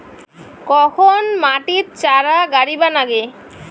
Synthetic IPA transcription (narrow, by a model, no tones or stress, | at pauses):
kɔkʰonmaʈitt͡ɕaɾaɡaɾibanaɡe